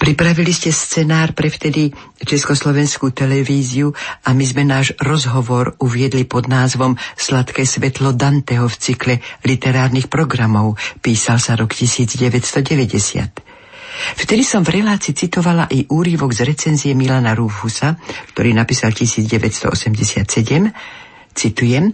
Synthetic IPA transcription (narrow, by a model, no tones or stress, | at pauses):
pɾipɾaʋiliscɛst͡sɛnaːɾpɾɛft̪ɛd̪i | t͡ʃɛskɔslɔʋɛnskut̪ɛlɛʋiːziuamizmɛnaːʒɾɔzɦɔʋɔɾuʋɪɛd̪lipɔd̪naːzʋɔmslat̪kɛːsʋɛt̪lɔd̪ant̪ɛɦɔft͡siklɛlit̪ɛɾaːɾnixpɾɔɡɾamɔʊpiːsalsaɾɔkcisiːd͡zɟɛʋɛcst̪ɔɟɛʋɛɟɛsɪa̰t̪ | ft̪ɛd̪isɔmvɾɛlaːt͡siːt͡sit̪ɔʋalaʔiʔuːɾiʋɔɡzɾɛt͡sɛnzijɛmilanaɾuvɦusakt̪ɔɾiːnapiːsalcisiːd͡zɟɛʋɛtst̪ɔ̰ʔɔsɛmɟɛsɪat̪sɛɟɛm | t͡sit̪ujɛm